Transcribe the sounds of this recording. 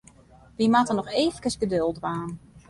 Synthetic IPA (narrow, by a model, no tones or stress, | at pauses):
ʋimatənɔxeːfəkəsɡədølˠdʋaːn